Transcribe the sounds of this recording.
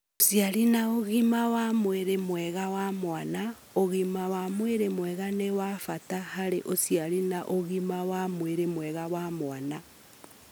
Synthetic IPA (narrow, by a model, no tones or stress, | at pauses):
osjaɾinaoɣimawamweɾemwɛɣawamwana | oɣimawamweɾemwɛɣanewafatahaɾeʔosiaɾinaʔoɣimawamweɾemwɛɣawamwana